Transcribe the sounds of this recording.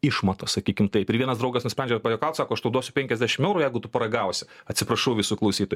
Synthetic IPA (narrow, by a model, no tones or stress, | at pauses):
ɪʃmɐt̪osɐkʲiːkʲɪmt̪ɐɪpɪɾʋʲiɛnɐsd̪ɾɐʊɡɐsnʊsʲpɾɛnʲd͡ʒʲɛpɑjoːkɐlˠt̪sɑːkoːɐʃt̪ɐʊd̪uɔsʲʊpʲɛŋʲkʲɛzʲd̪ʲæːʃʲɪmɛʊɾuːjɛɪɡʊt̪ʊpɐɾɐɡɐʊsʲɪɐtʲsʲɪpɾɐʃɐʊʋʲɪsuklˠɐʊsʲiːt̪oːj